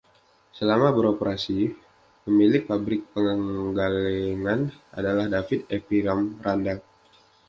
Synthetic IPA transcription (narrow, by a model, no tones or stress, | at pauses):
səlamabəɾopəɾasi | pəmilɪk̚fabɾɪk̚pəŋəŋɡalɛŋana̰dalahdafit̪epiɾamranda